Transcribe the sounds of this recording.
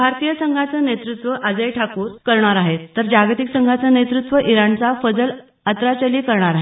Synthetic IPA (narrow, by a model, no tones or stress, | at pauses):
bʱaɾt̪ijəsəŋɡʱat͡sənet̪ɾut̪ʋəʔad͡zəjʈʰakuːɾkəɾɳ̃aɾaɦet̪ːəɾd͡ʑaɡt̪iksəŋɡʱat͡sənet̪ɾut̪ʋəʔiɾaɳt͡safəd͡zəl | ət̪ɾat͡ɕəliːkəɾɳaɾaɦe